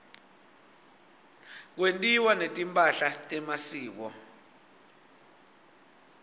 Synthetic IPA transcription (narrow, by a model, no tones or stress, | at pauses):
k̬wentʼiwanetʼimpʼaɬatʼɛmasiːk̬ɔ